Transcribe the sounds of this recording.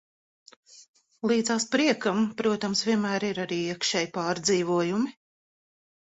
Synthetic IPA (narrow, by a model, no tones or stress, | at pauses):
lˠiːd̪zaːspɾiɛkampɾuɔt̪amsvʲiɛnmæːɾiɾaɾiːiɛkʃɛːjpɑːɾd̪ziːvuɔjumi